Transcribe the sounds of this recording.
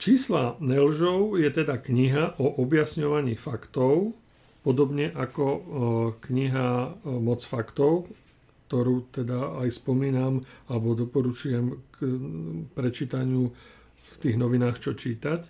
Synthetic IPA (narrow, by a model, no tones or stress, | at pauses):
t͡ʃiːslanɛlʒɔʊjɛt̪ɛd̪akɲiɦaʔɔʔɔbjasɲɔʋaɲiːfakt̪ɔʊ | pɔd̪ɔbɲɛʔakɔ | kɲiɦamɔt͡sfakt̪ɔʊ | kt̪ɔɾuːt̪ɛd̪aajspɔmiːnamalɛbɔd̪ɔpɔɾut͡ʃujɛmk | pɾɛt͡ʃiːt̪aɲɪu | ft̪iːɣnɔʋinaːxt͡ʃɔt͡ʃiːt̪ac